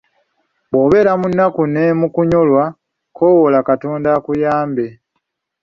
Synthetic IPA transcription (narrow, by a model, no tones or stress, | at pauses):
βo̞ːβe̞ːɾamunːakunemukuɲolwa | kʰo̞ːwolakato̞ːndakujaːmbe̞